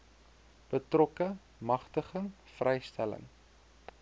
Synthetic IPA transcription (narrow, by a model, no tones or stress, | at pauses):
b̥ətrɔkə | mɐχtəχəŋ | frʔɛjstælə̰ŋ